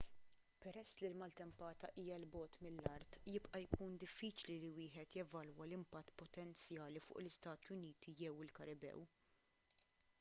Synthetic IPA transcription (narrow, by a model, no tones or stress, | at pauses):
pɛɾɛsːlilmɐlt̪ɛmpɐːt̪ɐʔiːjɐlbɔːt̪mɪlːɐɾt̪jɪpʔɐjkuːnd̪ɪfːiːt͡ʃliliwɪːħɛt̪jɛvɐlwɐlɪmpɐt̪ːpɔt̪ɛnt͡sjɐːlifʊ̰ːʔlɪst̪ɐːt̪jʊniːt̪ijɛwɪlkɐɾɪbɛ̰w